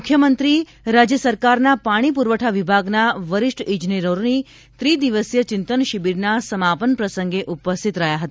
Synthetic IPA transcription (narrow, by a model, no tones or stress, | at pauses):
mukʰːjəmənt̪ɾi | ɾad͡ʒjəsəɾkaɾnapaɽ̃ipuɾʋəʈʰaʋibʱaɡnaʋəɾiʂʈid͡ʒniɾoɾni | t̪ɾid̪iʋəsjət͡ɕɪnt̪ənʃibiɾnasəmapənpɾəsəŋɡeʔupəst̪ʰit̪ɾəɦjaɦət̪a